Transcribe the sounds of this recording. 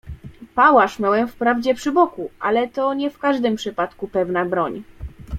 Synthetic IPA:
pawaʂmʲjawɛmfpɾavd͡ʑɛpʂɘbɔkuʔa̰lɛt̪ɔɲɛfkaʐd̪ɘmpʂɘpat̪kupɛvnabɾɔɲ

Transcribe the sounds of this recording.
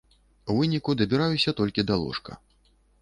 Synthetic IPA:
wvɨnʲikud̪ɐbʲiɾajusʲɐt̪ɔlʲkʲid̪alˠɔ̰ʂkɐ̰

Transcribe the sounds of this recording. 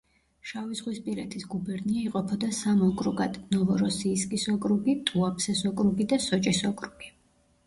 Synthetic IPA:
ʃavizʁwispʼiɾɛt̪ʰisɡubɛɾniaiqʼɔpʰɔd̪asamɔkʼɾuɡad̪̥nɔvɔɾɔsiːskʼisɔkʼɾuɡit̪ʼuapʰsɛsɔkʼɾuɡid̪asɔt͡ʃʼisɔkʼɾuɡ̥i

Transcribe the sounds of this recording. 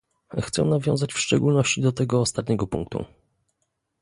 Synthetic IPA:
xt̪sɛ̰navʲjɔ̃w̃zat͡ɕfʂt͡ʂɛɡulnɔɕt͡ɕid̪ɔt̪ɛɡɔːst̪at̪̚ɲɛɡɔpṵ̃ŋk̚t̪ṵ

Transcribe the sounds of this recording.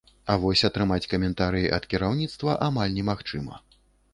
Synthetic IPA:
ɐvɔsʲɐt̪ɾɨmat͡sʲkɐmʲɛnt̪aɾɨjiʔɐ̰t̪kʲiɾawnʲit̪st̪vɐʔamalʲnʲɛmaxt͡ʂɨmɐ̰

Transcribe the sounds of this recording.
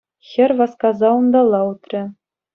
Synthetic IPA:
xʲɘ̆rʲʋɑskɑzɑund̪ɑlˠːɑut̪rʲɘ̆

